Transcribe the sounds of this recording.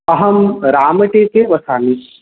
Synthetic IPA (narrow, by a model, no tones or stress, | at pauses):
ɐɦɐmɾaːməʈeːkeʋɐsaːniʃ